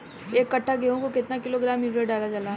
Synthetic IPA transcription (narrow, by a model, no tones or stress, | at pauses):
eːkːɐʈʰːaɡeɦõkokɪt̪nakɪloɡɾaːmɪɡɾeɖaːlad͡ʒaːlaː